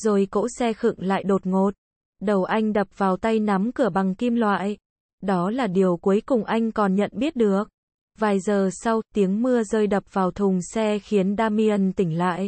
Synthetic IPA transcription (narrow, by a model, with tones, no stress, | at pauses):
zo˨˩jko̰˧˥sɛ˧xɨ̰˧˨ŋla̰ː˧˨jɗo˨˩t̚ŋo˨˩t̚ | ɗə˨˩wʔa˧jŋ̟ɗə˨˩p̚vaː˨˩wt̪a˧jna˨˦mkɨ˧˩əɓa˨˩ŋki˧mlwa̰ː˧˨j | ɗɔ˨˦laː˨˩ɗi˨˩əwku˨˦jkʊ˨˩ŋ͡mʔa˧jŋ̟kɔ˨˩nɲə̰˧˨nɓi˦˥ət̚ɗɨ˨˩ək̚ | vaː˨˩jzəː˨˩sa˧wt̪i˨˦əŋmɨ˧əzəː˧jɗə˨˩p̚vaː˨˩wt̪ʰʊ˨˩ŋ͡msɛ˧xi˨˦ənɗaː˧mi˧ə˧nt̪ï˧˩ŋ̟la̰ː˧˨jʔ